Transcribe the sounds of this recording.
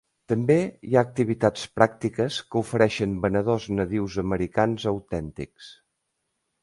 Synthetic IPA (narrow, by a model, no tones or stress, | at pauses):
t̪əmbeiaək̚t̪iβit̪at͡spɾak̚t̪ikəskəufəɾɛʃəmbənəð̞oznəðiwzəməɾikanzəwt̪ɛnt̪ḭks